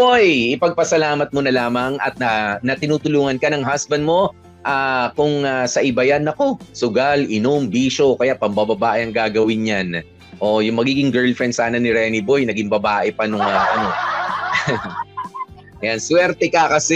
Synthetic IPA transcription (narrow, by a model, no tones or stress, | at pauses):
bojʔɪpɐɡ̚pɐsɐlaːmɐt̪̚monɐlaːmɐŋʔɐ̰t̪̚nɐnɐt̪ɪnuːt̪ʊluːŋɐnkɐnɐŋɦasbɐnd̪mo̞ | ʔaːkʊŋasɐʔɪbɐjanːɐko̞sʊɡalʔɪnombiːʃo̞kɐjaʔpɐmbɐbɐbaːʔɛɐŋɡaːɡɐwɪnɲan | ʔo̞jʊŋmɐɡiːɡɪŋɡɛɹlfɛnsaːnɐnɪɾɛnɪbo̞jnɐɡɪŋbɐbaːʔɛpɐnʊŋɐʔɐno̞ | ɐjanswɛɾt̪ɛkɐkɐsɛ